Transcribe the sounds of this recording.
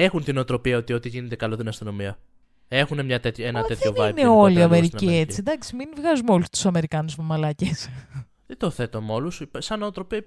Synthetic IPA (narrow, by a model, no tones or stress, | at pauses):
e̞xunt̪inot̪ɾo̞piɐo̞t̪io̞t̪iʝinend̪e̞kɐlo̞t̪inɐst̪ino̞miɐ | e̞xunemɲɐt̪et̪çoenɐt̪eðteonvɐneoliɐmeɾiciet͡sid̪ɐksiminvɣɐzumeo̞lust̪u̥sɐme̞ɾikɐnuzmemɐlɐces | ðet̪oθe̞t̪omo̞lusipsɐnot̪ɾo̞piɐ